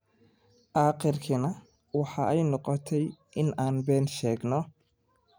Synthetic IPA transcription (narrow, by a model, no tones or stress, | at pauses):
ʔɑːqɪrkʰɪnɐ | wɑħɑɛjnɔqɔt̪ʰɛjʔɪnʔaːnbɛːnʃɛːɡnɔ